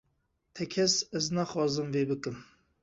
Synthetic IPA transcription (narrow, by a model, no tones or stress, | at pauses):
t̪ʰɛkʰɛsɛznɑːxɑːzɨmveːbɨkɨm